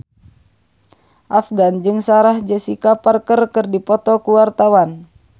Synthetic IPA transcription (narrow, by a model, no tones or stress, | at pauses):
ʔafɡand͡ʒɨŋsaɾahd͡ʒɛsikaparkərkɨrdipɔt̪ɔkuwart̪awan